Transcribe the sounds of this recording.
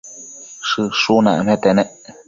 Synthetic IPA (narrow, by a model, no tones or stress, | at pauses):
ʂɨʂunãmẽt̪enɛ̃ʔ